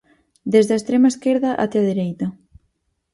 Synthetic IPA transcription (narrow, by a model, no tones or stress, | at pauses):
d̪ezðaɐest̪ɾemaeskeɾðɐʔa̰t̪eɐðeɾejt̪ɐ